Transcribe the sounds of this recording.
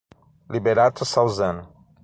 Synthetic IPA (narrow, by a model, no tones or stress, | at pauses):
libeɾat̪ʊsawzɐ̃nʊ